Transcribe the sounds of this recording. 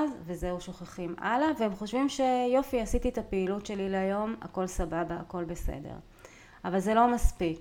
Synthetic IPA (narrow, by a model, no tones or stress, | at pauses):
zvezeuʃoχaχimʔa̰laveemχo̞ʃvimʃe̞jo̞fiasit̪ietapeːlutʃe̞lileajo̞ma̰ko̞lsababaːko̞lbe̞sḛdḛʁ | avalzelo̞maspik